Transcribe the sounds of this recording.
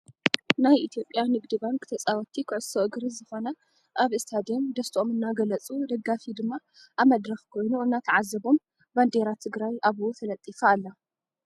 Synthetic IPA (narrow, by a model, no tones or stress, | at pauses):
najʔit̪ʰijo̞pʼːjanɨɡd̪ɨβankʰɨt̪ʰɐt͡sʼawɔt̪ʰːikʰɨʕɨsoʔɨɡɾizɨxo̞nɐ | ʔaβɨst̪ʰad̪ond̪ɐst̪ʰʔomɨnːaɡɐlɐt͡sʼud̪ɐɡafid̪ɨmːa | ʔaβmɐd̪ɾɐxkʰo̞jnuɨnːat̪ʰɐʕazːɐβo̞m | band̪e̞ɾat̪ʰɨɡɾajaβufʰɐlɐt̪ʼːifaːlːa